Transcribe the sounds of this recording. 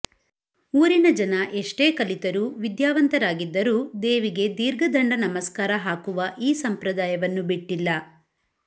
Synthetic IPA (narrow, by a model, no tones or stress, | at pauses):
uːɾinɐd͡ʒɐnɐʔeʂʈe̞ːkɐlit̪ɐɾuːʋid̪jaːʋɐnt̪ɐɾaːɡid̪ːɐɾuːd̪eːʋiɡe̞d̪iːɾɡɐd̪ɐɳɖɐnɐmɐskaːɾɐɦaːkuʋɐʔiːsɐmpɾɐd̪aːjɐʋɐnːubiʈːilːɐ